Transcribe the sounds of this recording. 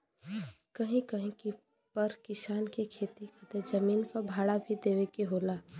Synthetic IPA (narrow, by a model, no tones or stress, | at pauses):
kəɦĩkɐɦĩki | pəɾkɪsaːnkekʰeːt̪ikit̪ed͡ʒəmiːnkabʱaːɽabʱid̪eːʋekeɦoːlaː